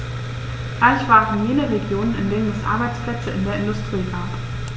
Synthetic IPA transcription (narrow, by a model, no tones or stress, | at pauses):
ʔalçv̥aːʁn̩jeːnəʁeɡjoːnənɪndeːnənɛsʔa̰ɐbaɪt͡spl̥ɛt͡səɪndeːɐɪndʊstʁ̥iːɡaːp